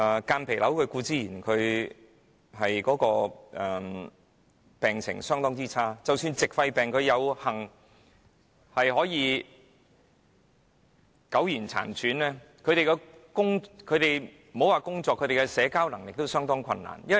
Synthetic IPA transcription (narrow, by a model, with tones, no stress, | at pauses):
kaː˧npʰe˨˩lɐ˨˥wkʰɵ˨˧ɥkuː˧t͡siː˥jiː˨˩nkʰɵ˨˧ɥ | hɐ˨jkɔː˨˥kɔː˧ʔɛ˨ | pɛː˨ŋsʰɪ̰˨˩ŋsœː˥ŋt̪ɔː˥ŋt͡siː˥t͡sʰaː˥t͡sɐ˨wsyː˧nt͡sɪ˨k̚fɐ˧jpɛː˨ŋkʰɵ˨˧ɥjɐ˨˧whɐ˨˩ŋ | hɐ˨jɦɔː˨˥jiː˨˧ | kɐ˨˥wjiː˨˩nt͡sʰa̰ː˨˩nt͡sʰyː˨˥nlɛː˥ | kʰɵ˨˧ɥɾe˨jkɛ˧kʊ˥ŋkʰɵ˨˧ɥt̪e˨jm̩˨˩ho˨˥waː˨˩kʊ˥ŋt͡sɔː˧kʰːɵ˨˧t̪e˨˩kɛ˧sɛː˨˧kaː˥wnɐ˨˩ŋlɪ˨k̚t̪o˥wsœː˥ŋt̪ɔː˥ŋkʷʰɐ˧nːa̰ː˨˩njɐ˥˨